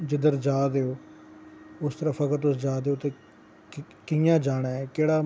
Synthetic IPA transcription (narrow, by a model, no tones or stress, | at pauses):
d͡ʒɪd̪əɾd͡ʒaːd̪eːoː | ʊst̪əɾəfəkəɾt̪ʊsd͡ʒaːd̪eːoːt̪eː | kɪjãːd͡ʒaːɽaːɛːkeːɽaː